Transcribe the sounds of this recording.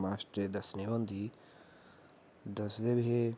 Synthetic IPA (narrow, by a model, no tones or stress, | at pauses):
maːsʈɾed̪ɐsniʋɐnd̪ʱi | d̪ɐsd̪ebɦe